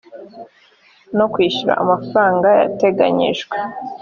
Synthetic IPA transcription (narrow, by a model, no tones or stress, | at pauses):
no̞kwiːʃuɾa̰amafɾaːŋɡaja̰te̞ɡa̰ɲḭʒɡwe